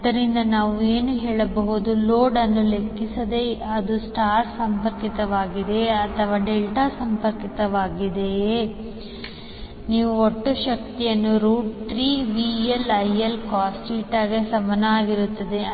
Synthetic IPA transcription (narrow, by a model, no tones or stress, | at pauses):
d̪ɐɾind̪ɐnaːʋueːnuɦeːɭɐbɐɦud̪uloːɖɐnːule̞kːisɐd̪e̞ɐd̪usʈaːɾsɐmpɐɾkit̪ɐʋaːɡid̪e̞ɐt̪ʰɐʋaːɖelʈaːsɐmpɐɾkit̪ɐʋaːɡid̪e̞ | niːʋuoʈːuʃɐk̚t̪ijɐnːuɾuːʈʈɾiːʋielɐjɐlkaːsʈiːʈaːɡesɐmɐnɐaːɡiɾut̪ːɐd̪e̞